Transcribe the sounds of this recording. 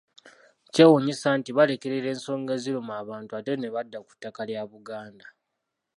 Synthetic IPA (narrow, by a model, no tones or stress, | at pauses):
cewoɲisaːntiβale̞keɾeɾe̞ːnso̞ːŋɡezilumaːβaːntuate̞neβadːaku̥tːakaljaβuɡaːnda